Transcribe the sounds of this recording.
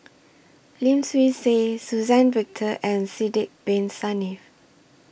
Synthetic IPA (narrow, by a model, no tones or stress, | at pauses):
lĩmswisesuzɛ̃nvik̚tʰəʔɛ̃nsidɪk̚b̥ẽnsanif